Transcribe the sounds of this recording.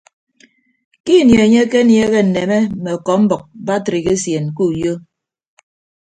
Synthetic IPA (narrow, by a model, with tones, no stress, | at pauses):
ki˦˨nje˨e˨ɲe˦ke˦nje˦ɣe˦n̩˨ne˨me˦˨me˨ɔ˨kɔ˨m̩˦bɔ˨k̚ba˦tɾi˨ke˦sje˨n˨ku˦˨jo˦